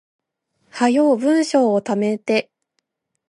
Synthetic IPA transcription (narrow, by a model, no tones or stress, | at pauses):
hajo̞ːbɯ̟̃ɰ̃ɕo̞ːt̪ame̞t̪e̞